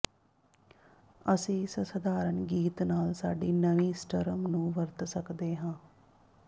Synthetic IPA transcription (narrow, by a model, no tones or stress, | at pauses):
əsĩːsəsəd̪aːɾənɡiːt̪naːlsa̰ːɖiːnəʋĩːsʈəɾəmnũːʋəɾt̪səkd̪eːɦãː